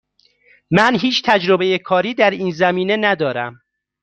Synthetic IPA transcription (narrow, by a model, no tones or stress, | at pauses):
mænɦiːt͡ʃʰt̪ʰæd͡ʒɾobejekʰɒːɾiːd̪æɾiːnzæmiːne̞næd̪ɒːɾæm